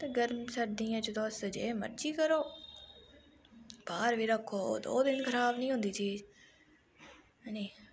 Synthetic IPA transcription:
t̪eːɡəɾmsəɾd̪iːãːt͡ʃəd̪ɔːsəd͡ʒḛːmə̰ɾd͡ʒiːkəɾoː | b̥aːɾʋiːɾəkʰːo̰ːd̪o̰ːd̪ɪnkʰəɾaːbnĩːɦʊ̃nd̪iːt̪ʰiː | niː

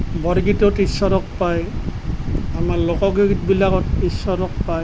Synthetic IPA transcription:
bɔɾɡitɔtisɔɾɔk̚paj | amaɹlokɔɡiɡit̚bilakɔtisɔɾɔk̚paj

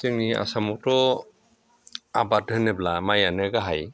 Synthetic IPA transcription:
tɯŋnia̰samɔtɔ | abat̚ɯneblamajanɯɡaɦaj

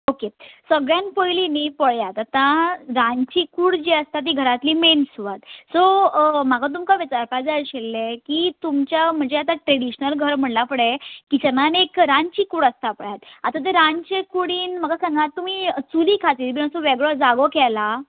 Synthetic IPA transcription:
okesəɡɭjanpəjlinipəɭjat̪at̪ãɾãɲt͡ɕikuːɽd͡ʑiəst̪at̪̬iɡʱəɾat̪liːmensuʋat̪somaɡat̪̬umkaʋet͡saɾpad͡zaəɕelːekiːt̪umt͡ɕjam̤əɳd͡zeat̪aʈɾeɽiɕnəlɡʱəɾm̤əɳlapəɽekit͡ɕənanekɾaɲt͡ɕikuːɽəst̪apəɭjat̪at̪ãt̪̬eɾaɲt͡ɕekuɽiːnməɡasaŋɡat̪ːum̤iːt͡suliːkʰat̪iːt̪binəsoʋeɡɭɔd͡zaɡokɛla

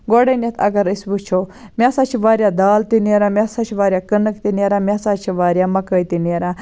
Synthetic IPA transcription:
ɡoɽənʲet̪ʰɐ̰ɡɐɾisbut͡ʃʰomʲasaːt͡ʃʰiʋaːɾjad̪aːlt̪ineɾamʲasat͡ʃʰiʋaːɾʲjakənəkt̪ineɾaːmʲaːsaːt͡ʃʰiʋaːɾjamɐkəjt̪ineɾãː

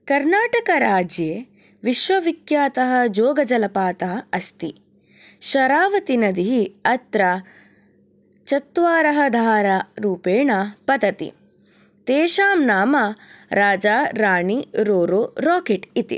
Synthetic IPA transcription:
kɐɾnaːʈɐkɐɾaːd͡ʒjeː | ʋiʃʋɐʋikjaːt̪ɐɦɐd͡ʒoːɡɐd͡ʒɐlɐpaːt̪aːɐst̪i | ʃɐɾaːʋɐt̪inɐd̪iɦiɐt̪ɾɐ | t͡ʃɐt̪ʋaːɾɐɦɐd̪ʱaːɾaɾuːpeːɳapɐd̪ɐt̪ḭ | t̪eːʃaːmnaːmɐɾaːd͡ʒaːɾaːɳiɾoːɾoːɾɔːkeʈit̪ḭ

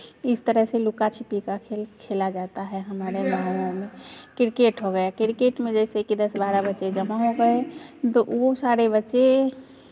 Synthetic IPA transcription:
ɪst̪əɾəɦselukat͡ʃʰipikakʰelkʰelad͡ʒat̪aɦɛɦəmaɾeɡãõmẽkɪɾkeʈɦoɡəjakɪɾkeʈmẽd͡ʒɛsekid̪əsbaɾəbətːʃed͡ʒəmaɦoɡəet̪oʔosaɾebətːʃe

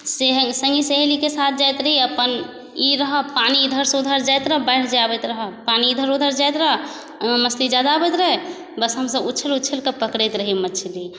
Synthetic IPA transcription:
seɦəsə̃ŋɡiseɦlikesat̪̚ʰd͡ʒajt̪ɾəɦiəpən | iɾəɦəpanid̪ʱəɾsud̪ʱəɾd͡ʒajt̪ɾəɦbəɪʈd͡ʒabɛt̪ɾəɦəpanid̪ʱəɾud̪ʱəɾd͡ʒajt̪ɾəɦ | məslid͡ʒad̪abɛt̪ɾəɦe | bəsɦəmsəbuːt͡ʃʰəlutːt͡ʃʰəlkəpəkɾet̪ɾəɦimət͡ʃʰili

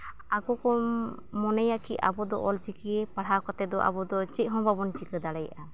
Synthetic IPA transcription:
aɡɔkɔ | mɔnɛjakiʔa̰bɔd̪ɔ̰ʔɔlt͡ʃikiepaɽ̤akɔt̪ɛd̪ɔʔa̰bɔd̪ɔt͡ʃiˀɦɔ̃babɔnt͡ʃikəd̪aɽɛja̰ʔa

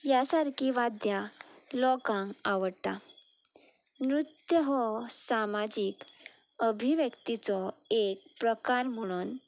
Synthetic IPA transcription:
jasaɾkʰiʋad̪jalɔkãŋkaʋəɽt̪a̰ | nɾut̪jəɦɔsamad͡ʑik | əbʱiʋjəkt̪it͡sɔek̚pɾəkaɾm̤əɽ̃uːn

